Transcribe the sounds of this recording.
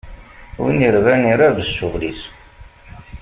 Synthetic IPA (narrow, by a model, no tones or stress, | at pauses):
wḭniɾvæniɾæðəsːuvlis